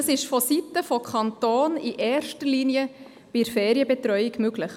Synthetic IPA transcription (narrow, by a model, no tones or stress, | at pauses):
əsɪʃfɔsitəfɔkʰɑnt̪oːniʔɛːɾʃtəɾliːniə | b̥iɾfɛːɾjəbɛtɾœʏɪɡmøɡləχ